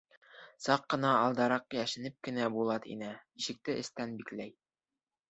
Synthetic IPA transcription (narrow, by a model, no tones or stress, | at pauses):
sɑqːɤ̆nɑːlˠd̪ɑɾɑqjæʃɘ̆nɘp̚kɘ̆næbulˠɑt̪ḭnɘiʃɘ̆k̚t̪ɘʔɘ̰̆st̪ænbiklæj